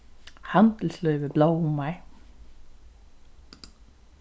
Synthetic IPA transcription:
hant̪l̩slœʏʋəblaːwʊmːaɪ

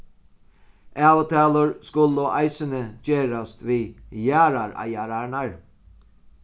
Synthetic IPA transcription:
æːwt̪ʰaːlʊɹskʊlɔʔaɪsənəd͡ʒeːɾast̪ʋijæːɾaɾa̰jæːɾanaɹ

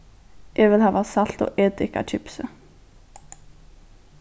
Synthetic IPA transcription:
jʔɛvɪðˠhaːvasal̥t̪ɔ̰ɣɛːt̪ɪka̰t͡ʃʰɪpsʏ

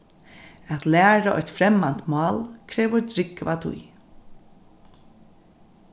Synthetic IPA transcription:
æt̪læːɾaʔɔjt̪fɾɛmant̪mɑːlkʰɾɛːvʊɾd̪ɾɪkvat̪ʰʊ̰j

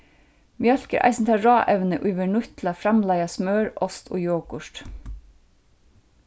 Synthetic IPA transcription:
miœlkəɾʔæ̰ɪsn̩t̪ʰɑːɹɑːʔɛʋnəʔʉːʋəɳʉt̪lɑfɾɑmlɑɪɑsmɑːɹʔɔst̪ʰo̰ːjoːkʊʃt

